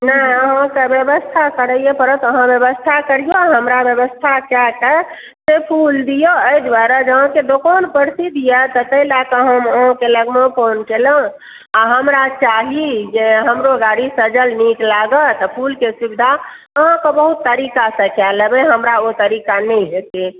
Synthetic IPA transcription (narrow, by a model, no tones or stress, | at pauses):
nəəɦãkebjəbəst̪ʰakəɾəjepəɾət̪əɦãbjəβəst̪ʰakəɾijoaɦəmɾabjəβəst̪ʰakakə | sepʰuld̪ijoəid̪waɾad͡ʒəɦãked̪okɔnpəɾsid̪ʱijət̪ət̪əilakəɦəməɦãkeləɡmõponkelə̃ | aɦəmɾat͡ʃaɦid͡ʒeɦəmɾoɡaɽisəd͡ʒəlniklaɡət̪ɔpʰulkesubid̪ʱa | əɦãkəbəɦut̪ːəɾikasə̃kaləbeɦəmɾaot̪əɾikanəiɦet̪e